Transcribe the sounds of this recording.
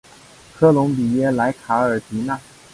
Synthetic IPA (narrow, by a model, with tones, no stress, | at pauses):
kʰɤ˥lʊ˧˥ŋpi˨˩jɛ˥la˧˥ɪkʰa˧˥ə˞˨˩t̪i˧˥na˥˩